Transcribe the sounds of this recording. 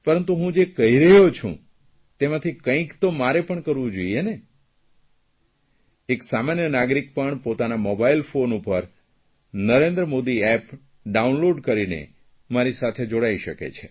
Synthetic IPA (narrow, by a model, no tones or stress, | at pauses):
pəɾənt̪uɦũd͡ʒekəɦiɾəɦot͡ʃʰṵ̃ | t̪emãt̪ʰikə̃ĩkt̪omaɾepəɳkəɾʋũd͡ʒoiene | eksamanjənaɡɾik̚pəɳpot̪anamobailfonupəɾ | nəɾẽnd̪ɾəmod̪iɛp | ɖaunloɖkəɾinḛ | maɾisat̪ʰed͡ʒoɽaiʃəkḛt͡ʃʰe